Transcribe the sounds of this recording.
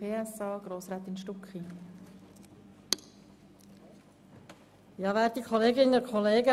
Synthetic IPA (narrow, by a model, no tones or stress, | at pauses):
eːɛsɑːɡ̥ɾoːsɾaːt̪ɪnʃtuki | jɑːʋæːɾt̚ikʰχɔleːɡɪnəʊɾkχɔleːɡə